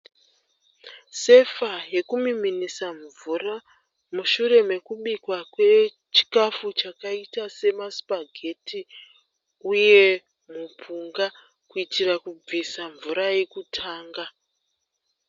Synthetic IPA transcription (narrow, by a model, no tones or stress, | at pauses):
se̞faje̞kumiminisaɱvura | muʃure̞me̞kuɓikwakwe̞ | t͡ʃi̥kafut͡ʃakaitase̞maspaɡʱe̞ti | uje̞ | mupʰuŋɡa | kuitirakub͡visaɱvuɾaje̞kutʰaːŋɡa